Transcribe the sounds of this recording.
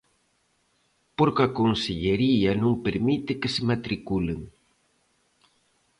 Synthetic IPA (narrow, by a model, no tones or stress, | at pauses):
poɾkakonseʎeɾiɐnõŋpeɾmit̪ɪkesemat̪ɾikuleŋ